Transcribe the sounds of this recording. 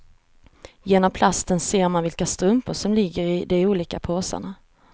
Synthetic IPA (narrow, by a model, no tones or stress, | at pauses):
jeːnɔmpʰlast̪ənseːɾmanvɪlkast̪ɾɵmpəʂɔmlɪɡːəɾɪd̪ɛuːliːkapʰoːsə̰ɳa